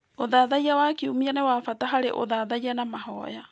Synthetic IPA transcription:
oðaːðaijawakiumianɛwafataɦaɾḛʔo̰ðaðaianamaɦɔja

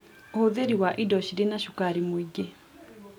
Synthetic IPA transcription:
ohoðeɾiwaʔidɔʃiɾenaʃukaɾimuiɟe

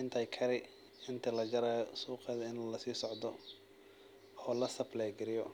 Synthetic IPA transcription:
ɪnt̪ʰɐjkʰɐɾɪ | ɪnt̪ʰɐlɐt͡ʃɐɾaːjɔsuːqɛːðɐɪnlɐsiːsɔʕd̪ɔ | ɔːlɐsɐblɛːɡɪɾɪjɔ

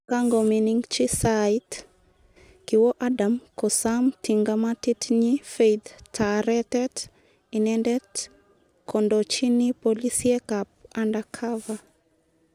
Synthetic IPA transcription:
kaŋɡɔminiŋt͡ʃisait | kiwɔʔadamkɔsamtiŋɡamatitɲifejd̪tʰaɾɛtɛt | inɛndɛt | kʰɔndɔt͡ʃinipolisiɛkap̚andakʰava

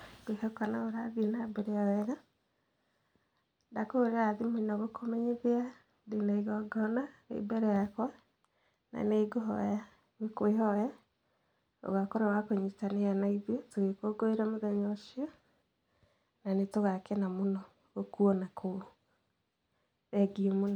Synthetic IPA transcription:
ɡwehɔkanaoɾaðienabɛɾeawɛɣa | dakoɾeaðimonawekʰomɛɲeðea | denaiɣɔɡɔnaḛbɛɾɛjakwa | na̰neɡoɦɔ̰ja | wekweɦɔja | o̰ɣakoɾewakoɲitanejanaiðiotoɣekoɡoeɾamoðɛɲɔʃiɔ | nanetoɣakenamonɔ | ɣokuɔnakʰo | ɛɡiomonɔ

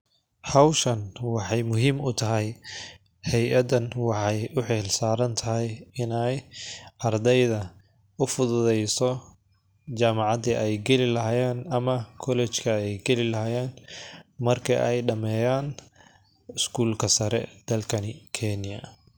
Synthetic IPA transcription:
ħɑwʃɐnwɑħɑjmʊɦiːmʊt̪ʰɐɦɛj | hɛjʔɐd̪ɐnwɑħɑjʊħɛːlsaːɾɐnt̪ʰɐɦɛjɪnɛjʔɐrd̪ɛjðɐ | ʊfʊðʊðɛjsɔ | t͡ʃaːmɑʕɑd̪iʔɛjɡɛlɪlɐɦːjɛːnɐmɐkʰɔlɛt͡ʃkʰɐɛjɡɛlɪlɐɦaːjɛːnmɐrkʰɐʔɛ̰jɖɐmɛːjaːn | ɪskʰuːlkʰɐsɐɾɛ̰d̪̥ɐlkʰɐnikʰɛnɪjɐ̰

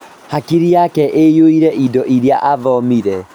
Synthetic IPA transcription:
hakiɾiakɛʔejoiɾɛʔidɔʔiɾjaʔaðɔmiɾɛ

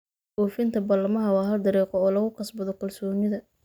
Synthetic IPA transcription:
ʔuːfɪnt̪ʰɐbɐlɐmɐɦɐwɑːɦɐld̪ɐɾiːqɔɔːlɐɣʊqɑsbɐðɔkʰɐlsɔːnɪðɐ

